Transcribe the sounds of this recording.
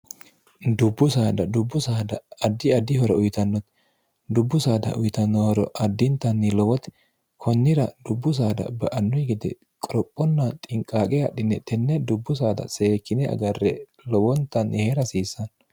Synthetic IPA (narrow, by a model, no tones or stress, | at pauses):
d̪ʊbːʊsaːd̪ɐd̪ʊbːʊsaːd̪ɐːd̪ːɪɐd̪ːɪhɔɾɔʔʊjt̪ɐnːɔt̪ | d̪ʊbːʊsaːd̪ɐ̰ʔʊjt̪ɐnːɔhɔɾɔ̰ʔɐd̪ːɪnt̪ɐnːɪlɔwɔt̪ɛ̥ | kʰɔnːɪɾɐd̪ʊbːʊs̬aːd̪ɐ̰bɐʔɐnːʊjɡɪd̪ɛ̰ | kʼɔɾɔpʼːɔnːɐt̪ʼɪŋkʼːaːkʼɛɐɗːɪnːɛt̪ɛnːɛd̪ʊbːʊs̬aːd̪ɐ̰seːkːɪnɛɐ̰ɡɐrːɛ | lɔwɔnt̪ːɐnːɪheːɾɐsiːsːɐn